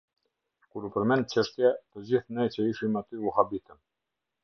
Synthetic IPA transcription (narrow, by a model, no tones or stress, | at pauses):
kuɾupəɾmɛn̚t͡ɕəʃt̪jat̪əd͡ʑiθnɛjt͡ɕəiʃimat̪yuhabit̪əm